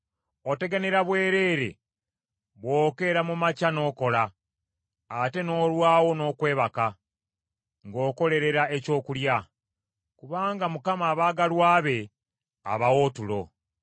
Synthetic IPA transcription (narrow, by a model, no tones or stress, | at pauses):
o̞te̞ɡaneɾaβwe̞ːɾe̞ːɾe̞̰ | βwoːke̞ɾamumacano̞ːko̞laː | te̞no̞ːlwaːwo̞no̞ːkwe̞ːβaka | ŋɡo̞ːko̞le̞ɾe̞ɾae̞co̞ːkulja | kuβaːŋɡamukamaːβaːɡalwaːβe̞ | a̰βawo̞ːtulo̞̰